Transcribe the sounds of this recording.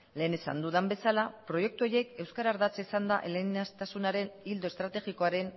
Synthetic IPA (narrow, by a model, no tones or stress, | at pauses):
le̞ːne̞sa̰nd̪uðambe̞salapɾo̞je̞k̚t̪uo̞je̞ke̞wskaɾaːɾðat͡seisand̪aʔelenast̪asunaɾe̞nild̪o̞e̞st̪ɾat̪e̞ɣiko̞aɾe̞n